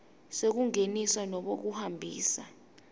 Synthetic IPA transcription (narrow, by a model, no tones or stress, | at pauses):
sek̬uŋenisanɔɓok̬uhambʱḭːsa